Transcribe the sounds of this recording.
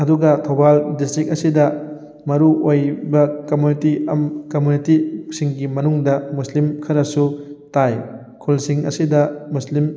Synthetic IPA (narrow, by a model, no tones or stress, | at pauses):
ɐduɡɐtʰobaldistɾik̚ɐsidɐ | mɐɾuʔojbɐkomjunitiɐmkomjunitisiŋɡimɐnuŋdɐmuslimkʰɐɾɐsutaj | kʰulsiŋɐ̰sidɐmuslim